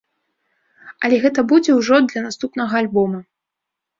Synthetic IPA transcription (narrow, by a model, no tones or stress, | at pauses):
ɐlʲɛɣɛt̪ɐbud͡zʲɛwʐɔd̪lʲɐnast̪upnɐɣɐalʲbɔmɐ